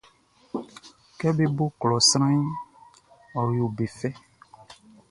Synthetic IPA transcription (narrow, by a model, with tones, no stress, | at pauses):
kɛ˦be˦bo˦klɔ˨sɾã˦i˦ | ɔ˨ɾjo˨be˨fɛ˦